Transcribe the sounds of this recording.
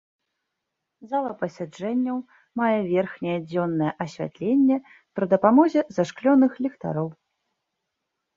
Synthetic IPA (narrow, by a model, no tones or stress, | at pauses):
zalˠɐpɐsʲad͡ʐɛnʲːɐw | majɛvʲɛrxnʲɛjɛd͡zʲɔnːɐjɛʔɐsʲvʲa̰t̪lʲenʲːɛ | pɾɐd̪ɐpamɔzʲɛzaʂklʲɔnɨxlʲɛkt̪a̰ɾɔw